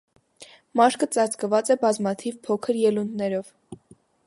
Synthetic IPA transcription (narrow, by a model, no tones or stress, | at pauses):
mɑʃkət͡sɑɾt͡skəvɑt͡sɛbɑzmɑt̪ʰivpʰɔkʰəɾjɛlund̪nɛɾɔv